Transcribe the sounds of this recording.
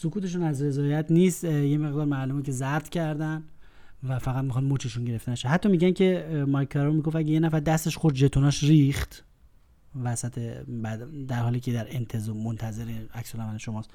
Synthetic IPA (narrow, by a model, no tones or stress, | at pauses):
sokʰuːt̪ʰe̞ʃ̬unæzɾe̞zɒːjæt̪ʰniːst̪jeme̞ɣd̪ɒːɾmælumkʰe̞zæɾt̪cʰæɾd̪æn | væfæɣæt̪̚mixɒd̪mot͡ʃʰeʃunɟeɾe̞ft̪enæʃeɦæt̪ːɒːmiɟæncʰe̞mɒjkʰːeɾomiɡoft̪æɟejenæfæɾd̪æst̪e̞ʃxoɾd̪̚d͡ʒet̪ʰonɒːʃɾiːxt̪ | væsæt̪ʰebæd̪d̪æɾhɒːliːcʰʲed̪æɾent̪ʰe̞zɔːmont̪ʰæze̞ɾiæksolæmæleʃomɒːst̪